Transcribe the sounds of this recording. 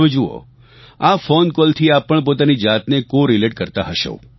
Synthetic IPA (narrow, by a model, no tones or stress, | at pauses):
ʋed͡ʒuo̰ | afonkolt̪ʰiapːəɳp̬ot̪anid͡ʒat̪nekoɾileʈ̚kəɾt̪aɦəʃo̰